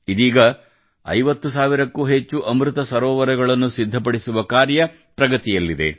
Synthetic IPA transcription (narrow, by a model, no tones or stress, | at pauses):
id̪iːɡɐ | ɐ̰jʋɐt̪ːusaːʋiɾɐkːuːɦet͡ʃːuʔɐmɾut̪ɐsɐɾɔːʋɐɾɛɡɐɭɐnːusid̪ʱːɐpɐɽisuʋɐkaːɾjɐ | pɾɐɡɐt̪ijɐlːid̪e̞̰